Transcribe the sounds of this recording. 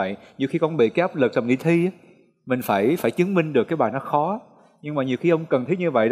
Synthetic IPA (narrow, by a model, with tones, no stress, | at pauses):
ə̰˧˨jɲi˨˩wxi˧kɔ˧nɓḭ˧˨kaː˨˦jʔːp̚lɨ˨˩k̚zə˨˩ŋ͡mʔḭ˧˩t̪ʰi˧aː˦ | mï˨˩ŋ̟faː˧˩jfaː˧˩jt͡ɕɨ˨˦əŋmï˧ŋ̟ɗɨ˨˩əkːaː˨˦jɓaː˨˩nɔ˨˦xɔ˨˦ | ɲɨ˧ŋmaː˨˩ɲi˨˩wxi˧ʔə˧wŋ͡mkə˨˩nt̪ʰi˦˥t̚ɲɨ˧və̰˧˨j